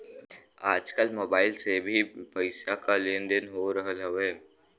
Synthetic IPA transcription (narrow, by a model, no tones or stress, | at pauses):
aːd͡ʒkəlmoːbaːɪlsebʱipəɪsakalẽnɖənɦoɾəɦəlɦəʋeː